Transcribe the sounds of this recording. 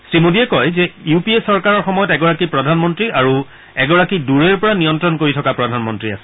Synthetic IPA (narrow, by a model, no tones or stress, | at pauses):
sɹimodiɛkɔjzɛjupiesɔɹkaɹɔɹxɔmɔjɔtɛɡɔɹakipɹɔdʱanmɔntɹiʔaɹu | ɛɡɔɹakiduɹeɹpɔɹanijɔntɹɔnkoɹitʰɔkapɹɔdʱanmɔntɹia̰sɛ̥